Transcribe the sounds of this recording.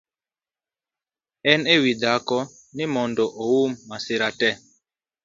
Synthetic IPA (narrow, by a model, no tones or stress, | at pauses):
ɛnewidakɔ | nimɔndɔʔowumːasiɾatɛ